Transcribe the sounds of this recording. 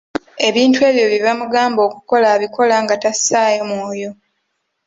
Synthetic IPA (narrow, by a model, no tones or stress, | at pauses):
e̞βiːntwe̞ːβjo̞βivamuɡaːmbo̞ːkuko̞laːβikʰo̞laːŋɡatasaːjo̞mwoːjo̞